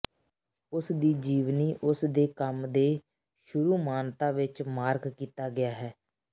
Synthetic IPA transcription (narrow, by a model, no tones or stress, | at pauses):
ʊsd̪iːd͡ʒiːʋniːʔʊsd̪eːkəmd̪eː | ʃʊɾuːmaːnt̪ãːʋɪt͡ʃmaːɾɡkiːt̪aːɡɪjaːɦɛː